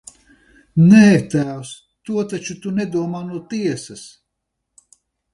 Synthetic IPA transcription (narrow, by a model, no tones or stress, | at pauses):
nɛɦɛkt̪æːws | t̪uɔt̪at͡ʃut̪unɛd̪uɔmaːnuɔt̪iɛsɐs